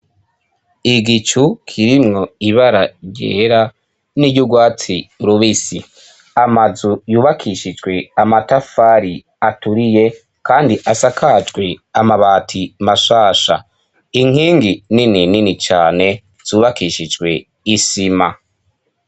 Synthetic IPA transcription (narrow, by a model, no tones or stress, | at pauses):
iɡit͡ʃukʰiɾimŋo̞iβaɾaɟḛːɾa | niɟuɡwaːt͡siuɾuβisi | amazujuːβakʰiʃid͡ʒɡwe̞amatafaːɾi | atuɾije̞ | kaːndiʔasakʰad͡ʒɡwe̞amaβaːtʰimaʃaːʃa̰ | iŋ̥hiːŋɡininininit͡ʃaːne̞ | z̥uːβakiʃid͡ʒɡwe̞ | isima